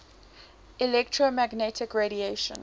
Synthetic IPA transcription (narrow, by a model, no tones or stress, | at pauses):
ilɛktʰɹomæɡnɛtʰɪkɹeɾieʃə̰̃n